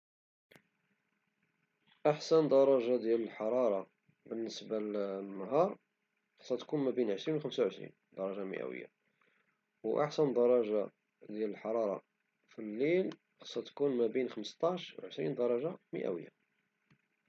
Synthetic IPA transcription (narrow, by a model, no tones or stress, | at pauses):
ʔaħsənd̪ɑɾˤɑʒad̪jæləlħɑɾˤɑɾˤɑ | bənːəsbalnːəɦɑɾˤ | ɑ̥sˤːɑt̪kunmæbinʕəʃɾinwxəmsawʕəʃɾḭn | d̪ɑɾˤɑʒamə̰ʔæ̰wə̰jːa̰ | wʔa̰ħsənd̪ɑɾˤɑʒa | d̪jæləlħɑɾˤɑɾˤɑ̰ | filːil | xɑ̥sˤːɑt̪kunmæbinxəməst̪ˤɑʃwʕəʃɾḭnd̪ɑɾˤɑʒamə̰ʔæ̰wə̰jːa̰